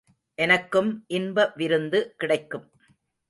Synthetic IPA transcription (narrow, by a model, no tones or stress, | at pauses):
ʔɛnɐkːɯmʔɪnbɐʋɪɾɯnd̪ɯkɪɽɐɪkːɯm